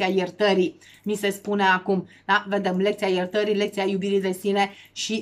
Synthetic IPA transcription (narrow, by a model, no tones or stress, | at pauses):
ajert̪əɾi | mise̞spuneakum | d̪aved̪emlekt̪seajert̪əɾilek̚t̪seajubiɾid̪e̞sine̞ʃi